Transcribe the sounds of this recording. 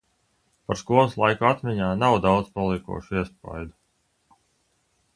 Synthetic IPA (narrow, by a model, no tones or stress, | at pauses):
paɾskuɔlˠɨslˠajkuat̪mʲiɲaːnawd̪awd̪z̥palˠikṵɔʃuiɛspa̰jd̪u